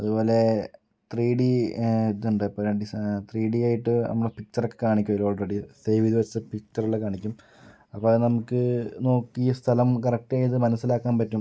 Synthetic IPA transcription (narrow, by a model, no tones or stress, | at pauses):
ɐðubo̞ːle̞ | t̪riːɽiet̪ːuɳɖɨɐpːoɾeɳɖist̪riːɽijaːjiʈːɨnɐ̰mːuɽepik̚t͡ɕɐrokːekaːɳikʲːumɐloːɭreɖisejʋiðiʋɐsɨpik̚t͡ɕɐruɭːɐkːaːɳikʲːum | ɐpːoːlnɐmukːɨno̞ːkːist̪ʰɐlɐmkɐrɐk̚ʈaːjiðɨmɐnɐsːilaːkːaːnpɐtːum